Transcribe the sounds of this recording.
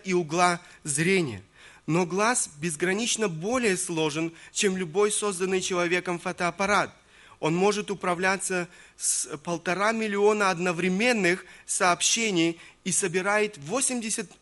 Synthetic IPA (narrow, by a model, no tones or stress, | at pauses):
ʔiʊɡlˠazɾʲenʲɪ̰jə̰ | noɡlˠasbʲɪzɡɾɐnʲit͡ɕnəbo̞lʲɪjəslˠo̞ʐɨnt͡ɕemlʲʊbo̞jso̞zd̪ənːɨjt͡ɕɪlˠɐvʲe̞kəmfɐt̪ɐɐpɐɾat̪̚ | o̞nmo̞ʐɨt̪ʊpɾɐvlʲat̪sːəspəlˠt̪ɐɾamʲɪlʲɪo̞nəɐd̪nəvɾʲɪmʲe̞nːɨxsɐːpɕːenʲɪjisəbʲɪɾajɪt̪vo̞sʲɪmdʲɪsʲət̪